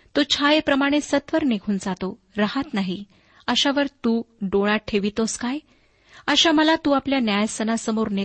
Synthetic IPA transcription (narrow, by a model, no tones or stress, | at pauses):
t̪ot͡ɕʰajepɾəmaɽ̃esət̪ʋəɾneɡʰʱuːnd͡zat̪o | ɾaɦət̪naɦi | əɕaʋəɾt̪uːɖoɭaʈʰeʋit̪oskaj | əɕaməlat̪uːapljanjajsənasəmoɾne